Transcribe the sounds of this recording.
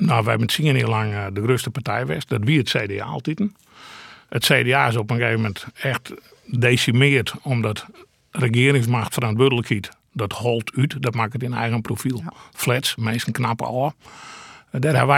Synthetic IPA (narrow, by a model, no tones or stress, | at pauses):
noʋəɛbənsiəniəlaŋdəɡrøstəpartɛjʋɛ̰st̚dɔtʋiəətseːdea̰ːlˠtitn̩ | ətseːdeaːɪs̬opənɡeːvəmɛntɛxt | deːsimɪətomdɔt | rəɡɪərɪŋs̬maxtfərantʋødələkhit | dɔthɔlˠtʰytdɔtmakətinɛ̰jɣənprofilˠflɛsmeːsən̩knapə̰ɔː | dɛrhɛʋ